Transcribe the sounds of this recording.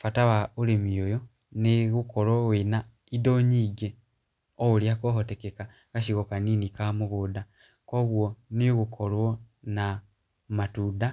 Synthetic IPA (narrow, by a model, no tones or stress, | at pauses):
fatawaulemiojo | niɣukolwowina | idoɲiɡe | ouljakoɦotekeka | kaʃiɣokaniːnikamuɣuda | koɣwoniɣukʰolwona | matuda